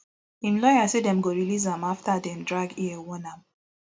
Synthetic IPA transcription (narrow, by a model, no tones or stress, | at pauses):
ĩmlɔjasedɛ̃mɡoɹiliz̬ãmaftadɛ̃mdɹaɡiɛwɔnãm